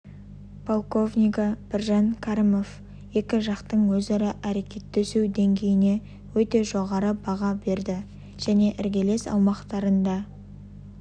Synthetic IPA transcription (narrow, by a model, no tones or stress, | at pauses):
pʰolˠko̞vnʲijkɑb̥ɪɾʒɑnkʰaɾimo̞v | je̞kʲɪʒɑqt̪əɴwɵzɑɾɪʔæɾe̞kʲe̞t̪ːesuwd̪eŋɡʲe̞jɪne̞ | wɵt̪e̞ʒo̞ʁɑɾəbɑʁɑbe̞ɾd̪ɪ | ʒ̥æne̞ʔɪɾɡʲe̞le̞sɑ̰wmɑqt̪ɑɾənd̪ɑ